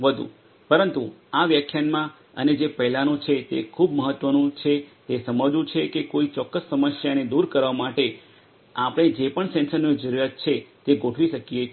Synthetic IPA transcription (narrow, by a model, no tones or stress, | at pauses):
ʋəd̪ʱṵ̃ | pəɾənt̪uaʋjakʰjanmã | ə̰ned͡ʒepəɦlanũt͡ʃʰet̪ḛkʰubməɦət̪ːʋənũt͡ʃʰet̪esəməd͡ʒũt͡ʃʰekekoit͡ʃɔkːəsːəməsjaəned̪uɾkəɾʋamaʈe | apəɽ̃ed͡ʒepəɳsɛ̃nsənod͡ʒəɾuɾat̪̚t͡ʃʰet̪eɡoʈʰʋiʃəkije